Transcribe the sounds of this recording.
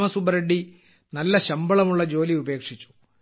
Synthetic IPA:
mɐsubɐɾeɖːi | nɐlːɐɕɐmbɐɭɐmuɭːɐd͡ʑo̞ːliube̞ːkʂit͡ɕːu̥

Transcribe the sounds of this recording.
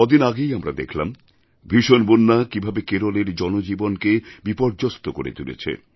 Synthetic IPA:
od̪inaɡejamɾa̰d̪ḛkʰlam | bʱiʃonbonːakibʱabekeɾoleɾd͡ʑɔnod͡ʑibonkebipɔɾd͡ʑost̪okoɾḛt̪ulḛt͡ɕʰḛ

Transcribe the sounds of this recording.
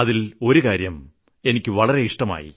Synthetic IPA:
ɐðilo̞ɾukaːɾjɐm | e̞nikʲːɨʋɐɭɐɾe̞iʂʈɐma̰ːjḭ

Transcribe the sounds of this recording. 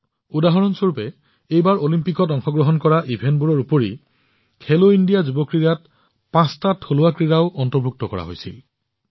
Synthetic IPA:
udaɦɔɹɔnsoɹupɛ | ejbaɹolimpikɔtɔŋxɔɡɹɔɦɔnkɔɹaʔibʱenbuɹɔɹupoɹi | kʰeloindijazubɔkɹiɹat̚ | pãstatʰːolʊwakɹiɹaʊʔɔntɔɹbʱuk̚tɔkɔ̰ɹa̰ɦo̰jsḭl

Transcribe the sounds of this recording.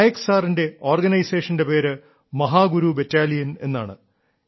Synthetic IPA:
jeksaːrinde̞o̞ːrɡɐnɐjseːʂɐnde̞pe̞ːɾɨ | mɐɦaːɡuɾubetːaːlijɐne̞̰nːa̰ːɳɨ̰

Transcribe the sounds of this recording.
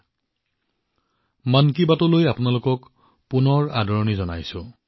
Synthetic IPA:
mankibatɔlojapʊnalʊkɔk | punɔɹadʱɔɹɔnizɔna̰jsʊ̃

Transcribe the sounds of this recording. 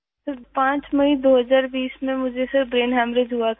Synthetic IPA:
sɪɾpãːt͡ʃmɐid̪oːɦɐzaːɾbiːsmẽmʊd͡ʒʱesɪɾbɾeːnɦɛːmɾed͡ʒɦuat̪ʰ

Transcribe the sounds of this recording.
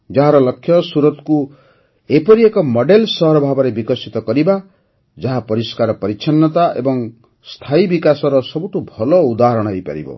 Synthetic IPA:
d͡ʒaɦaɾɔlɔkʰːjɔsuɾɔt̪ku | epɔɾiekɔmɔɖelsɔɦɔɾɔbʱabɔɾebikɔsit̪ɔkɔɾiba | d͡ʒaɦapɔɾiskaɾɔpɔɾit͡ʃʰanːɔt̪aʔḛbɔŋ | st̪ʰaibikasɔɾɔsɔbuʈubʱɔlɔud̪aɦɔɾɔɽ̃ɔɦejpa̰ɾḭbɔ̰

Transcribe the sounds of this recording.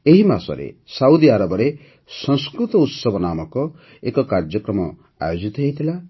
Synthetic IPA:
eɦimasɔ̰ɾḛsawd̪iaɾɔbɔɾe | sɔ̃ŋskɾut̪ɔut̪sɔbʱɔnamɔkɔ | ekɔkaɾd͡ʒjɔkɾɔmɔ | a̰jod͡ʒit̪ɔɦet̪ʰila

